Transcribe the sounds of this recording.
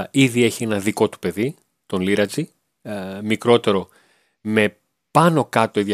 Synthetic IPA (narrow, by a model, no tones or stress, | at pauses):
iðie̞çie̞nɐðiko̞t̪u̥pe̞ði | t̪o̞nliɾɐt͡si | mikɾo̞t̪e̞ɾo̞ | me̞ | pɐno̞kɐt̪o̞iðɐ